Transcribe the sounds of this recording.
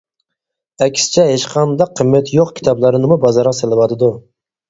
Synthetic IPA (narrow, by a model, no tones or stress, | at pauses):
ɛkʲsɪ̥t͡ʃʰɛɦeʃqʰɑnd̪ɑqʰːəmːɛt̪joqkʲʰi̥t̪ʰɑblˠɑɾɨnɨmubɑzɑɾʁɑselˠɪwɑt̪ʰɨd̪u